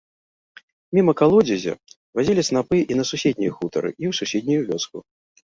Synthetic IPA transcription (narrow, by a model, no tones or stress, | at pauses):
mʲimɐkalˠɔd͡zʲizʲɐ̰ | vazʲilʲisnapɨʔinɐsusʲed̪ʲnʲijɐxut̪ɐɾɨ̰ʔiwsusʲed̪ʲnʲijuvʲɔsku